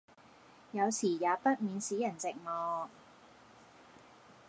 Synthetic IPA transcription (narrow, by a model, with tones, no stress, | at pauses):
jɐ˨˧wsiː˨˩jaː˨˧pɐ˥t̚miː˨˧nsiː˨˥jɐ˨˩nt͡sɪ˨k̚mɔː˧